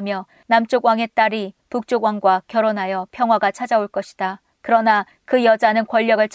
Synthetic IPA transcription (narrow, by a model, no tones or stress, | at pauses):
mjʌ | namt͡ɕ͈oɡwaŋe̞t͈aɾituk̚t͡ɕ͈oɡwaŋɡwakjʌɾonɦajʌpʰjʌŋɦwaɡat͡ɕʰad͡ʑaoɭk͈ʌɕʰi̥d̥a | kɯɾʌna | kɯjʌd͡ʑanɯnkwʌʎːʌɡɯɭt͡ɕʰ